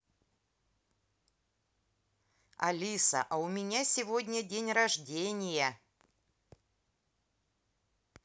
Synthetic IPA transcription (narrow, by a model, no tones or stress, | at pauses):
ɐ̰lʲisə̰ʔɐʊmʲɪnʲasʲɪvodʲnʲədʲenʲɾɐʐdʲenʲɪjə